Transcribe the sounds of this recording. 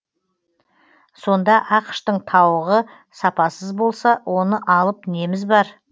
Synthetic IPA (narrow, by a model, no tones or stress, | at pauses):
so̞nd̪ɑʔɑqə̥ʃt̪əɴt̪ʰɑwəʁə | sɑpɑsəzbo̞lˠsɑwʔo̞nəʔɑlˠəp̚ne̞mɪzbɑɾ